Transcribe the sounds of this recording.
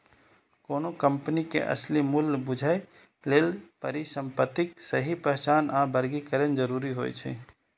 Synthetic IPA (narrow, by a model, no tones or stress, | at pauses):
koːnokəmpənikḛʔə̰slimulbʊd͡ʒʱae | leːlpəɾisəmpət̪ɪksəɦipɾɛɦt͡ʃaːnabəɾɡikəɾənd͡ʒəɾuːɾiɦo̰ːjt͡ʃʰɛ̰